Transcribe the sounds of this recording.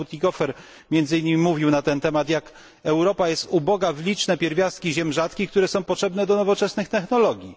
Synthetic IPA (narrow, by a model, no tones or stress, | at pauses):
ut̪ʲikɔfɛɾ | mʲjɛnd̪zɨiɲʲːimʲimuvʲiwnat̪ɛnt̪ɛmat̪jak | ɛwɾɔpajɛst̪ubɔɡavlʲit͡ʂnɛpʲjɛɾvʲjast̪̚kʲiʑɛmʐat̪kʲik̚t̪uɾɛsɔ̃w̃pɔtʂɛbnɛd̪ɔnɔvɔt͡ʂɛsnɘxt̪ɛxnɔlɔɡʲji